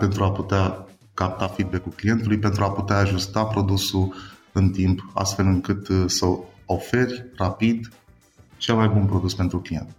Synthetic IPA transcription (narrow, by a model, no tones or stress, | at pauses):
pe̞nt̪ɾuaput̪ea | kap̚t̪afid̪̚be̞kulklije̞nt̪ulujpe̞nt̪ɾuaput̪eaːʒust̪apɾo̞d̪usuɨnt̪impa̰st̪fe̞lɨŋkɨt̪səo̞fe̞rʲrapid̪ | t͡ʃe̞lmajbunpɾo̞d̪uspe̞nt̪ɾuklije̞̰nt̪